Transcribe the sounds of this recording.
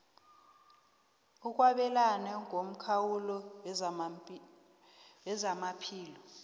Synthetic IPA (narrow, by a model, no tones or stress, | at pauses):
uk̬ʼwaɓɛlanɛŋʱom̩kʰawulɔ | wɛzamapʰiːlɔ